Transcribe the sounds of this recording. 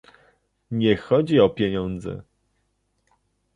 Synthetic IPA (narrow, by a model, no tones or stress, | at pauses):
ɲɛxɔd͡ʑiɔpʲjeɲɔnd̪zɛ̰